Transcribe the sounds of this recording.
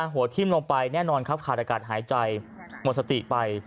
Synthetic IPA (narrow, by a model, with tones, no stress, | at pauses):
aː˧ɦu˨˩˦t̪ʰiː˥˩mloː˧ŋpa˧jnɛː˥˩nɔː˧nkʰa˦˥p̚kʰaː˨˩t̪̚ʔa˧kaː˨˩t̪̚ɦaː˩˦jt͡ɕa˧j | mo˨˩t̪̚sa˧t̪i˨˩pa˧j